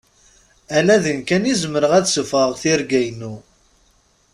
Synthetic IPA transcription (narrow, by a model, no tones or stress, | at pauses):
ælæðənkænizəməɾəʁæðsəfəʁθiɾɡæjnu